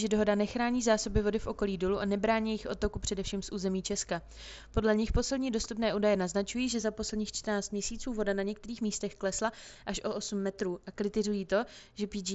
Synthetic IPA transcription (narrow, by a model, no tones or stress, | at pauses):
ʒɛdo̞ɦo̞danɛxɾaːɲiːzaːso̞bɪvo̞dɪfʔo̞ko̞liːdoluʔanɛbɾaːɲijjɪxʔo̞t̪o̞kupr̝̥ɛdɛfʃiːmsʔuːzɛmiːt͡ʃɛska | po̞dlɛɲɪxpo̞slɛdɲiːdo̞st̪upnɛːʔuːdajɛnaznat͡ʃujiːʒɛzapo̞slɛdɲiːxt͡ʃt̪rnaːt͡st̪mɲɛsiːt͡suːvo̞danaɲɛk̚t̪ɛɾiːxmiːst̪ɛxklɛslaʔaʃʔo̞ʔosumːɛt̪ɾuːʔakɾɪt̪ɪzujiːt̪o̞ʒɛpid͡ʒ